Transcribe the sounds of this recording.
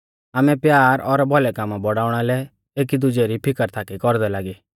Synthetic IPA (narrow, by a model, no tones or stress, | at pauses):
aːmɛpjaːɾɔɾbʱɔlɛkaːmabɔɽaːʊɽ̃alɛ | eːk̬id̪ʊd͡ʒɛɾipʰɪkəɾt̪ʰaːkikɔɾd̪ɛlaːɡi